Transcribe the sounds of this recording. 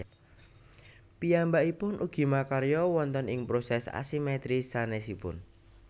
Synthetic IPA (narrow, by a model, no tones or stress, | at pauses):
pijambaipʊnʔuɡ̥i̤makaɾjɔwɔnt̪ənɪŋpɾosɛsa̰simɛt̪ɾisanɛsipʊ̰n